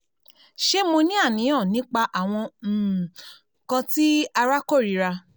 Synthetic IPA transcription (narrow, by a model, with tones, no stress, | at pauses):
ʃe˦mo˧nĩ˦a˦˨nĩ˨˦ɔ̃˦˨nĩ˨˦k͡pa˧ʔa˨w̃ɔ̃˧˨ | kã˧ti˦a˧ɾa˦ko˦˨ɾi˨˦ɾa˧